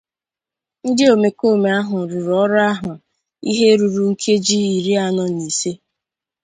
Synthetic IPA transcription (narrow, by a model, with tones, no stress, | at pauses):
n̩˦dɪ˦o˨me˨ko˦˨me˨a˦ɦʊ˨ɾu˨ɾɔ˦ɾʊ˦a˦ɦʊ˨ | ḭ˦ɦe˦ɾu˨ɾu˨ŋ̩˦kʰe˦d͡ʒi˦i˨ɾi˦a˦˨nɔ˨ni˨se˦